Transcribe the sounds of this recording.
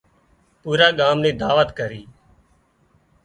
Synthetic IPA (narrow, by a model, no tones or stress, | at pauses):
puːɾaːɠaːmnẽːd̪aːʋət̪kəɾiː